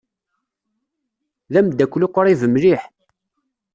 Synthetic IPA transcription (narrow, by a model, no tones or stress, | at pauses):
ðæmd̪ækʷːlʊqoɾˤivəmliħ